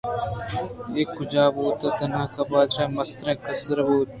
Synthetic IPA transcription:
eːkːʊd͡ʒaːboːt̪ɐt̪ɐnãːkɐbaːd̪ɾẽːmɐst̪ɾẽːkɐsɾɐbuːt̪̚

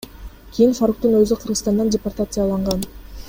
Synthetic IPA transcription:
kʲʰijinfaɾuk̚t̪unøzyqʰɯɾʁət̪ɑnd̪ɑndʲɪport̪at̪sɨjalˠɑɴʁɑn

